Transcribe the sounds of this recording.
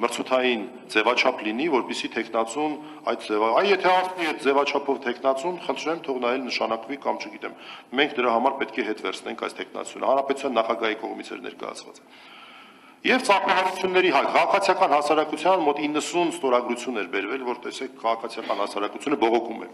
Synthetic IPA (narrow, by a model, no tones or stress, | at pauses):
məɾt͡sʰut̪ʰɑjin | d͡zɛvɑt͡ʃʰɑpʰlinivɔɾpisit̪ʰɛkʰnɑt͡sun | ɑjt̪d͡zɛvɑɑjjɛt̪ʰɛɑt͡sniɛjt̪̚d͡zɛvɑt͡ʃʰɑpʰɔvt̪ʰɛkʰnɑt͡sunχənt̪ʰɾɛmt̪ʰɔʁnɑjɛlnəʃɑnɑkvikɑmt͡ʃʰəɡit̪ɛmmɛŋkʰd̪əɾɑɦɑmɑɾpɛt̪kʰɛɦɛt̪vɛɾt͡sʰnɛ̰ŋkʰɑjst̪ʰɛkʰnɑ̰t͡sʰjunə̰hɑnɾɑpɛt̪u̥t͡sʰjɑnːɑχɑɡɑɦikɔʁmit͡sʰɛ̰ɾnɛ̰ɾkɑ̰jɑ̰t͡sʰvɑ̰t͡sɛ | jɛvt͡sɑɾmɑɦɑɾut͡sʰjunːɛɾiɦɑjkʰɑʁɑkʰɑt͡sʰijɑkɑnɦɑsɑɾɑkut͡sʰjɑnmɔt̪inːəsunst̪ɔɾɑɡɾut͡sʰjunɛɾbɛɾvɛlvɔɾt̪ɛsɛkʰkʰːɑʁɑkʰɑt͡sʰjɑkɑnhɑsɑɾɑkut͡sʰjunəbɔʁɔkʰumɛ̰